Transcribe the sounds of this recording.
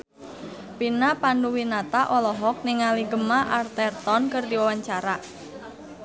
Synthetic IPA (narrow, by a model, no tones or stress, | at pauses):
pinapanduwinat̪aʔɔlɔɦɔk̚niŋaliɡəmaʔart̪ɛrt̪ɔnkərdiwawaɲt͡ʃaɾa